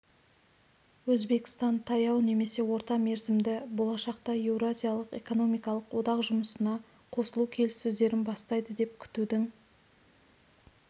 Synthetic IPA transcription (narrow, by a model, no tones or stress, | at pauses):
wɵzbe̞kʲɪ̥st̪ɑnt̪ʰɑjɑwne̞me̞se̞wo̞ɾt̪ɑme̞ɾzɪmd̪ɪbo̞lˠɑʃɑq̚t̪ɑe̞wɾoazijalˠəqe̞̰ko̞no̞mijkɑlˠəqwo̞d̪ɑqʒʊməsənɑ | qʰo̞səlˠukʲʰe̞lɪsːɵzd̪e̞ɾɪnbɑst̪ɑjd̪əd̪e̞p̚kʲʰʏ̥t̪ud̪ɪŋ